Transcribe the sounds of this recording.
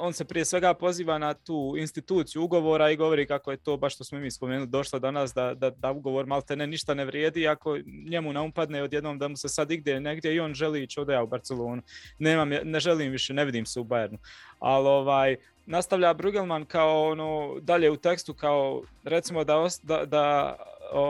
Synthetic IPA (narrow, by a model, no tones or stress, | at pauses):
o̞ːnsepɾije̞sʋe̞ɡaːpo̞ziːʋaːnat̪uːinst̪it̪uːt̪sijuuɡo̞ʋoːɾaiɡo̞ʋo̞ɾiːkako̞je̞t̪oːbaʃt̪o̞smoimiːspo̞meːnulid̪o̞ʃlod̪anas̬d̪ad̪ad̪auɡo̞ʋoːɾmalt̪eneniʃt̪aneʋɾjeːd̪iːako̞ɲe̞muneupad̪neod̪jed̪noːmd̪amusesad̪iɡ̚d̪je̞ne̞ɡd̪je̞io̞ːnʒeliːt͡ʃod̪ojaubaɾt̪selˠo̞ːnune̞ːmamjaneʒeliːmʋiʃene̞ʋid̪iːmseubajeɾnua̰lo̞ʋaːj | nast̪aʋʎabɾuɡelˠmankaoonoːd̪aʎeːut̪e̞kst̪ukaoɾe̞t̪simo̞d̪aosd̪ad̪a | o